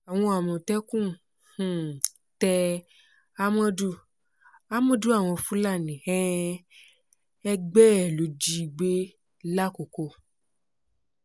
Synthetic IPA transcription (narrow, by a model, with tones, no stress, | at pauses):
a˨w̃ɔ̃˧a˨mɔ̃˧˨tɛ˦kũ˦˨ | h̩˨ | tɛ˧ | a˦mɔ̃˦du˧ | a˦mɔ̃˦du˦a˦˨w̃ɔ̃˧fũ˨˦la˦˨nĩ˨hɛ̃˦ | ɛ˧ɡ͡bɛ˦˨lo˨˦d͡ʒi˧ɡ͡be˦ | la˦ko˨ko˧˨